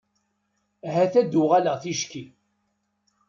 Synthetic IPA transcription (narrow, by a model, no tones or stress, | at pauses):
ɦæθæd̪ʊʁæləʁθiʃki